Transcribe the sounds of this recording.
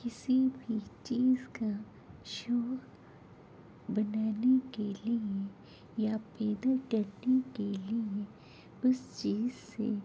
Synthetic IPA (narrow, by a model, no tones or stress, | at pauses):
kɪsibʱit͡ʃiːzka | ʃɔːk | bɐnaːnekelie | japɛːd̪akɐɾnekelie | ʊst͡ʃiːzsḛ